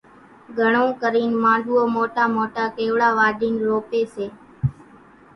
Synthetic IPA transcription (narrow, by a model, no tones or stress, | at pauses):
ɡʱəɳõːkəɾiːnmãːɳɖʱuːoːmoːʈaːmoːʈaːkeːʋɽaːʋaːɖʱiːnɾoːpeːseː